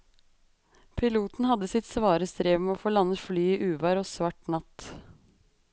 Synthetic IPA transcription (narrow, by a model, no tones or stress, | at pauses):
pʰɪluːt̪n̩hɑd̪əsɪt̪sʋɑːɾəst̪ɾeːʋmeoːfoːlɑnːət̪flyːiːʔʉːʋɑɾoːsʋɑʈnɑt̪